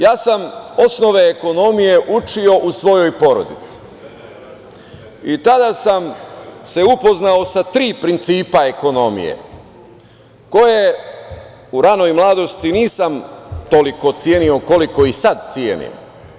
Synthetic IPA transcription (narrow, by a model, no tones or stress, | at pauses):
jaːsamosno̞ʋe̞ːko̞no̞mije̞ʔut͡ʃio̞ʔusʋo̞jo̞jpo̞ɾo̞̰d̪it̪si̥ | it̪ad̪asamse̞upo̞znao̞sat̪ɾiːpɾint̪siːpae̞ko̞no̞mḭje̞̰ | ko̞je | uɾano̞jmlˠaːd̪o̞st̪iniːsamt̪o̞liko̞t̪sjeːnio̞ko̞liko̞isad̪̚t̪sjeːnḭm